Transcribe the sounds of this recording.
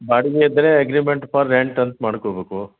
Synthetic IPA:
baːɽiɡeid̪ːɐɾeɐɡɾimeɳʈpʰɐɾːeɳʈɐnt̪maːɽkobeːku

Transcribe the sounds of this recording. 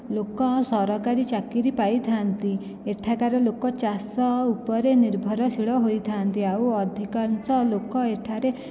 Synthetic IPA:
lokɔsɔɾɔkaɾit͡ʃakiɾipajt̪ʰant̪i | eʈʰakaɾelokɔt͡ʃasɔupɔɾeniɾbʱɔɾɔsʰiɭɔɦojt̪ʰant̪iawɔd̪ʱikansɔlokɔeʈʰaɾe

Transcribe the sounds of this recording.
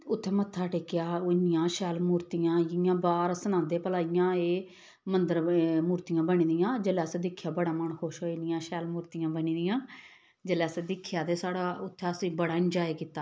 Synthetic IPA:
ʊt̪ʰːɛ̃ːmət̪ʰːaːʈɪːkɪjaːɪnɪjãːʃɛːlmuːɾt̪ijãːɪjãːbaːɾsənãːd̪eːpəlaːɪjãːeː | mənd̪əɾmuːɾt̪ijãːbəɳĩːd̪ɪjãːd͡ʒəlɛːəsẽːd̪ɪkʰːjaːbəɽaːməɳxoːʃoːɪnɪjãːʃɛːlmuːɾt̪ijãːbənĩːd̪ɪjãː | d͡ʒəlɛːəsẽːd̪ɪkʰːjaːt̪eːsaːɽaːʊt̪ʰːɛ̃ːəsĩːbəɽaːɪnd͡ʒaːeːkiːt̪ːaː

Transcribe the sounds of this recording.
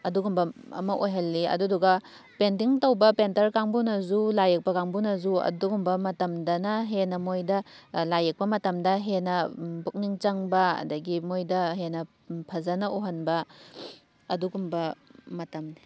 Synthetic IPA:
ɐduɡumbɐɐ̰mɐʔojɦɐlːiɐ̰duduɡɐ | pent̬iŋtowbɐpentɐɾkaŋbunɐzulajek̚pɐkaŋbunɐzuɐ̰duɡumbɐmɐtɐmdɐnɐɦenɐmojdɐlajek̚pɐmɐtɐmdɐɦenɐbuk̚niŋt͡ʃɐŋbɐɐ̰dɐɡimojdɐɦenɐ | pʰɐzɐnɐoɦɐnbɐ | ɐduɡumbɐmɐtɐmni

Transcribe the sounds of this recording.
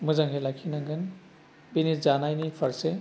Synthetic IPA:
mɯzaŋɦʰelakʰinaŋɡʰɯn | binizanajnipʰɐɾse

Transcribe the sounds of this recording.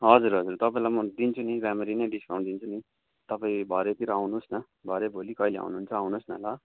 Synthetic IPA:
ɦʌd͡zuɾɦʌd͡zurt̪ʌpãĩlamʌd̪int͡sʰunibameɾinʌjɖiskaw̃ɳɖd̪int͡sʰuni | t̪ʌpãĩbʱʌɾet̪iɾʌawnusnʌ | bʱʌɾebʱolikʌilea̰wnuɦːnt͡sʰʌawnosnʌ̰lʌ

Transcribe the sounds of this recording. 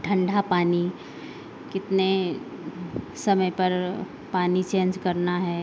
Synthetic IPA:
ʈʰə̃ɳɖʱapaːni | kɪt̪ne | səməjpəɾ | paːnit͡ʃẽːnd͡ʒkəɾnaɦɛ

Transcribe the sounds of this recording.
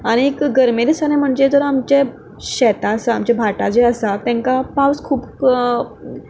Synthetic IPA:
aɽ̃iekɡəɾmed̪esanem̤əɳd͡ʑed͡z̪ɔɾamt͡ɕe | ɕɛt̪aəsaːmt͡ɕabʱaʈad͡ʑeəsat̪ɛ̃ŋkapawskʰuːp

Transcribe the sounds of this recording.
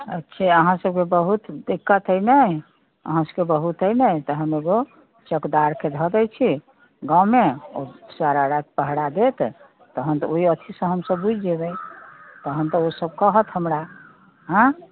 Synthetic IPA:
ə̰tːʃʰɛəɦãsəb̚kebəɦut̪d̪ikːət̪əjnəj | ə̰ɦãsəbkebəɦut̪əjnəjt̪əɦəmeɡo | t͡ʃəkd̪aɾked̪ʱəd̪əjt͡ʃʰi | ɡãwmeo̰saɾaɾakepəɦɽad̪et̪ʰ | t̪əɦənt̪ɔoiət̪ʰisə̃ɦəmsəbbud͡ʒʱd̪ebɛjt̪əɦənt̪əosəb̚kəɦət̪ɦəmɾa | ɦə̃

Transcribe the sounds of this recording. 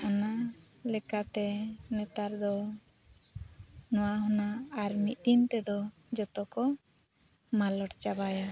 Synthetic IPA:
ɔna | lɛkat̪ɛnɛt̪aɾd̪ɔ | nɔwaɦɔnaːɾmit̚d̪int̪ɛd̪ɔ | d͡ʒɔt̪ɔkɔ | malɔʈt͡ʃabaja

